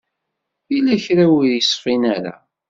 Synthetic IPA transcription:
θilæçɾæwiðjəsˤfinæɾa̰

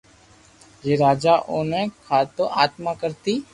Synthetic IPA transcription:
jeːɾaːd͡ʒaːʔoːnẽːkʰaːt̪õːʔaːt̪mãːkəɾt̪iː

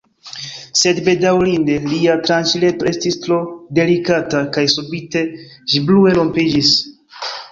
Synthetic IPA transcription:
se̞dbe̞dawlinde̞liatɾant͡ʃile̞to̞e̞stistɾo̞de̞likatakajsubite̞ | ʃiblue̞lo̞mpid͡ʒis

